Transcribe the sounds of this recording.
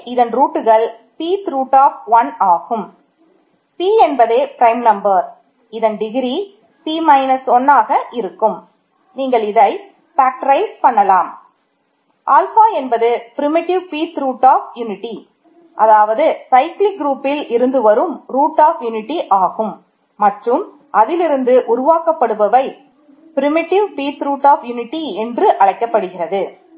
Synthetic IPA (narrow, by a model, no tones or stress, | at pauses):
ɪðɐnɾuːʈːɯɣɐɭ | piːt̪ɾuːʈːaːfʋɐnaːɣɯm | piːɛnbɐðeːpɪɾɐɪmnɐmbɐɾ | ɪðɐnɖɪɣɪɾi | piːmɐɪnɐsɔnːaːɣɐʔɪɾɯkːɯm | niːŋɡɐɭɪðɐɪ | faːk̚ʈɾɐɪspɐɳːɐlaːm | ʔaːlhaːɛnbɐðɯpɪɾɪmɪʈɪʋpiːt̪ɾuːʈːaːfjʊnɪʈːi | ʔɐðaːʋɐðɯsɐɪklɪk̚ɡɾuːpːɪlʔɪɾɯnd̪ɯʋɐɾɯmɾuːʈːaːfjʊnɪʈːiʔaːɣɯmː | ɐʈrɯm | ʔɐðɪlɪɾɯnd̪ɯʔʊɾʊʋaːkɐpːɐɽɯʋɐʋɐɪ | pɪɾɪmɪʈɪʋpiːt̪ɾuːʈːaːfjʊnɪʈːiɛndrɯʔɐɻɐɪkːɐpːɐɽɯɣɪrɐðɯ